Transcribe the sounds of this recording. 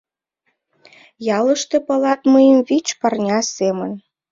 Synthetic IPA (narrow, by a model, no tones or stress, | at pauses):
jɑlə̆ʃt̪epɤlɑt̪məjəmvit͡ɕpɑrnʲɑsemən